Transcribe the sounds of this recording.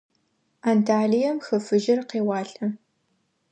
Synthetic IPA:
antʰaːɮijɐmxɐfɨʒɪrqeːwɑːɬʼɐ

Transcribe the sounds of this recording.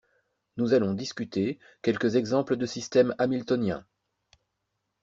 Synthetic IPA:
nuzalɔ̃d̪iskʲyt̪e | kʲɛlkəzɛɡzɑ̃pləd̪əsist̪ɛmamilt̪ɔnjɛ̰̃

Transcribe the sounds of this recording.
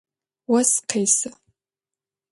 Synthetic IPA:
wastʰejsɨ

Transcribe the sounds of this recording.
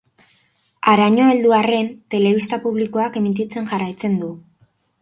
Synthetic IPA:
aɾaɲo̞eld̪uare̞nt̪e̞le̞βist̪apuβliko̞ake̞mit̪it͡se̞nʝarajt͡se̞nd̪u

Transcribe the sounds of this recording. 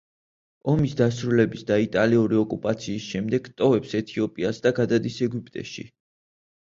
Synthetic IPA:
ɔmisd̪asɾulɛbisd̪ait̪ʼaliuɾiɔkʼupʼat̪sʰiːsʃɛmd̪ɛɡt̪ʼɔvɛpsɛt̪ʰiɔpʼiasd̪aɡad̪ad̪isɛɡupʼt̪ʼɛ̰ʃḭ

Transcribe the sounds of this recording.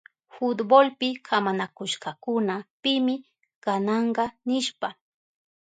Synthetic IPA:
fʊt̪bolpɪkʰamanakʊʃkɑkʊnapɪmɪ | kɑnɑɴɢɑnɪʃpa

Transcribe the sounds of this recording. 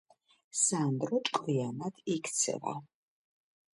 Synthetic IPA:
sand̪ɾɔt̪ʼkʼwianad̪ikʰt̪sʰɛ̰va̰

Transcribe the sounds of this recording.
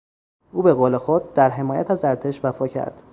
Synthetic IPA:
ʔuːbe̞ɣoːle̞xod̪̚d̪æɾɦe̞mɒːjæ̰t̪ʰæzæɾt̪ʰe̞ʃvæfɒːcʰæ̰ɾd̪̥

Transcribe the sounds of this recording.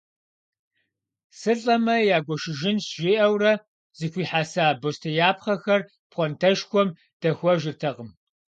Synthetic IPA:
sɨɬʼɐmɐjaːɡʷɔʃɪʒɪnsʒʷeːʔɐwrɐ | z̥ɨxʷiːħaːsaːbostʰɐjaːp̚ʰχɐxɐr | pχʷɔntʰɐʃkʷɔm | d̥ɐxʷɔʒɪrtʰɐqʼəm

